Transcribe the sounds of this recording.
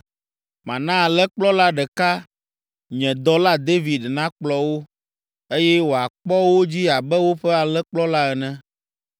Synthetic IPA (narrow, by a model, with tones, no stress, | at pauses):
mã˨nã˦a˨lɛ˦k͡plɔ˦la˦ɖɛ˨ka˦ | ɲɛ̃˨d̪ɔ˦la˦d̪e˦vi˨d̪nã˦k͡plɔ˦wo˦ | e˦jɛ˦wo˨a˨k͡pɔ˦wo˦d͡ʑi˦a˨bɛ˦wo˦ɸɛ˦a˨lɛ˦k͡plɔ˦la˦ɛ˨nɛ̃˦